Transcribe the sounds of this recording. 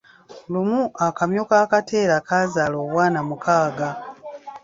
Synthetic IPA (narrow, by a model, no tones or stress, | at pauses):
lumuakamjokaːkatʰe̞ːɾakazaːloːβwaːnamukʰaːɡa